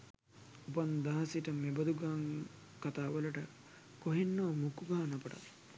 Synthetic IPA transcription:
upand̪aɦɐsiʈəmebəd̪uɡaŋ | kat̪aːʋələʈə | koɦenːoːmukuɡaɦɐnɐpɐʈa̰t̪

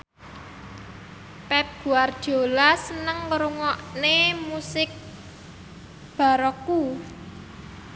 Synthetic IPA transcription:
pɛp̚ɡ̥ṳard̥ʒ̥o̤lasənəŋkəɾuŋɔʔnemusɪk̚ | b̥a̤ɾɔku

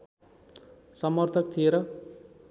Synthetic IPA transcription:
sʌmʌrt̪ʰʌk̚t̪ʰijeɾʌ

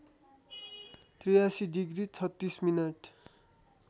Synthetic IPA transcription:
t̪rijasiɖiɡrit͡sʰʌt̪ːisminʌʈ

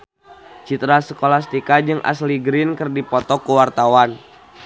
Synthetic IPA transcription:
t͡ʃit̪ɾasəkolast̪ikad͡ʒɨŋʔa̰sliɡɾɪnkərdipɔt̪ɔkuwart̪awan

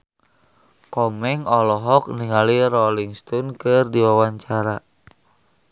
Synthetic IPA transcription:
kɔmɛŋɔlɔɦɔk̚niŋaliɾɔliŋst̪ɔnkɨrdiwawaɲt͡ʃaɾa

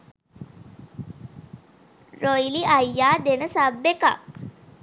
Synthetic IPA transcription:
ɾojliʔajːaːd̪enəsabːeka̰k

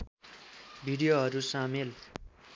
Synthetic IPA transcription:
bʱiɽijoɦʌɾusamel

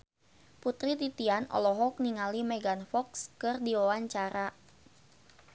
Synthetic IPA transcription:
put̪ɾit̪it̪ianɔ̰lɔɦɔk̚niŋalimɛɡanfɔkskɨrdiwawaɲt͡ʃaɾa

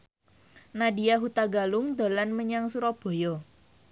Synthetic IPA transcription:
nadiaɦut̪aɡalʊŋd̪a̤lanməɲaŋsuɾɔb̥o̤jɔ

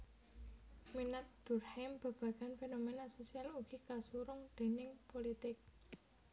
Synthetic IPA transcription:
minat̪̚d̪̥ʊ̤rhɛmb̥a̤b̥ä̤ɡ̥a̤nfenomenasosialuɡ̥ikasuɾʊŋd̪̥e̤nɪŋpolit̪ɪk̚

